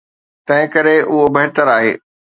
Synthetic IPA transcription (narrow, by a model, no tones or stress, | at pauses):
t̪ɐ̃ɦɪ̃kɐɾeʔʊɦobɐɦɪt̪əɾaːɦḛː